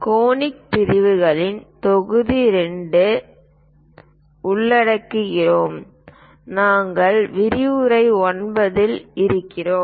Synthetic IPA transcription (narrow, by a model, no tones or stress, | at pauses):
koːnɪk̚t̪ɪɾɪʋɯɣɐɭɪnt̪ɔɣɯðiɾɛɳɖɯ | ʊɭːɐɽɐkːɯɣɪroːm | naːŋɡɐɭʋɪɾɪɯɾɐɪɔnbɐðɪlɪɾɯkːɪroː